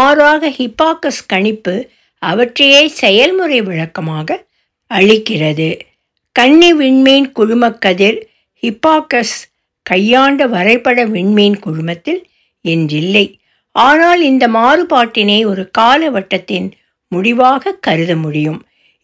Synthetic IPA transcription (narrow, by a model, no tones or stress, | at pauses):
aːɾaːɣɐhɪpːaːkɐskɐɳɪpːɯ | ɐʋɐʈrɐjɐeːsɛjɐlmʊrɐɪʋɪɻɐkːɐmaːɣɐ | ɐɻɪkːɪrɐðɯ | kɐɳːiʋɪɳmejnkʊɻʊmɐkːɐðɪɾ | hɪpːaːkɐs | kɐjːaːɳɖɐʋɐɾɐɪpːɐɽɐʋɪɳmejnkʊɻʊmbɐt̪ːɪl | ɛndrɪlːɐɪ | ʔaːnaːlɪnd̪ɐmaːrɯpaːʈːɪnɐɪɔɾɯkaːlɐʋɐʈːɐt̪ːɪn | mʊɽɪʋaːɣɐkːɐɾɯðɐmʊɽɪjɯm